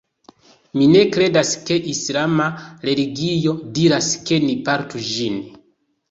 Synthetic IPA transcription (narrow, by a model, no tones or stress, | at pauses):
mine̞kɾe̞daske̞ʔislamaɾe̞liɡijo̞diɾaske̞nipaɾtud͡ʒin